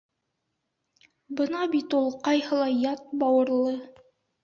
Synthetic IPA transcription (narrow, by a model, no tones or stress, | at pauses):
bɤnɑbit̪ulˠqɑjhɤ̆lˠɑjɑt̪̚bɑwɤ̆ɾlˠɤ